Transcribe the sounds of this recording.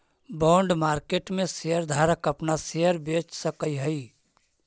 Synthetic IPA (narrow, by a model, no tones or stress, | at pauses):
bɔ̃ːɳɖmaːɾkeːʈmẽsejəɾd̪ʱaːɾəkəpnasejəɾbeːt͡ʃsəkəiɦəi